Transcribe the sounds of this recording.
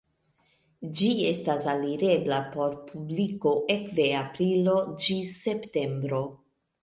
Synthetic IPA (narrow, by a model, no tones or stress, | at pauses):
d͡ʒie̞stasaliɾe̞blapo̞ɾpʰubliko̞ʔe̞kde̞apɾilo̞d͡ʒise̞pte̞mbɾo̞